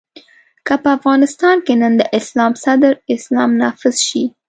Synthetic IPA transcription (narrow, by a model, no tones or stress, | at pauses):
kapəafɣɑnɪst̪ɑnkenənd̪əʔɪslɑmsad̪əɾɪslɑmnɑfɪzʃi